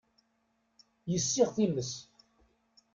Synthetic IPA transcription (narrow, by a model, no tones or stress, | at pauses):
jəsːɪʁθiməs